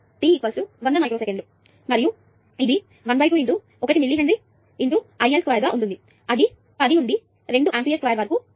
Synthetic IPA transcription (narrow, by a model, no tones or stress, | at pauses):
ʈiikʋɐlsuʋɐnd̪ɐnaːjkɾosekeɳɖu | mɐɾiju | id̪i | ʋɐnbɐjkuiɳʈ̪u | ɔkɐʈ̬imiɭːiːɾɐɳd̪i | iɳʈ̪uɐjelskʋaːjɐɾɡaːʔunʈund̪i | ɐd̪i | ɐd̪iuɳɖ̪i | ɾeɳɖuʔaːnpijeskʋaːjɐɾʋɐːɾɐku